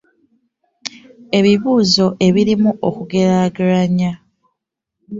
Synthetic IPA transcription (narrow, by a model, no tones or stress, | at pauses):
e̞βiβuːzo̞ʔe̞βiɾimuʔokuɡe̞ɾaɡaɾaɲa